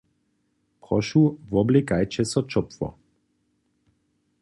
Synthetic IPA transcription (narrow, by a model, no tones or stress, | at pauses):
pʁɔʃuvɔblekajt͡ʃɛsɔt͡ʃɔpfɔ̰